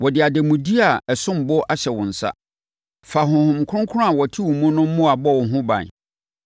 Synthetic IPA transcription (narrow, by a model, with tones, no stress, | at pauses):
wɔ˨dɪ˨a˨dɛ˨mũ˨di˦a˨ɛ˨sʊ̃˦m̩˨bɔ˦ʔa˦ɕɛ˨wʊ̃˨n̩˨sa̰˦ | fa˨hʊ̃˨hʊ̃˨m̩˨kʰʊ̃˦ŋkʰʊ˦ʊ̃˦a˨wɔ˨tʰi˦wʊ̃˨mũ˦nʊ̃˦m̩˦mʊ̃˦a˨bɔ˦˨wʊ˨ɦʊ̃˦bã̰˨n˨